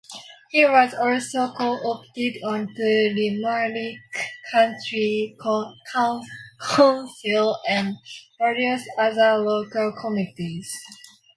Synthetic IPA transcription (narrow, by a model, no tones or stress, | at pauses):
hiwɔzɔlsokʰoʔoptɪdɔ̃ntəlimalikʰːãntʰɹi | kʰãkʰãnsilɛ̃nvɛɹiəsaðəlokəlkʰɔmitiz̥